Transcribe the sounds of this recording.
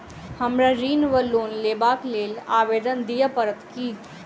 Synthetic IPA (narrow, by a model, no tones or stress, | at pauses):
həmɾaɾiːnʋəloːnlebaːkleːlaːʋed̪ənd̪ijəpəɾət̪ki